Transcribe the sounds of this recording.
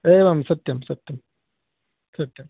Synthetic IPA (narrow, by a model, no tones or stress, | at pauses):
eʋaːmsɐt̪jɐmsɐt̪jɐm | sɐt̪jɐm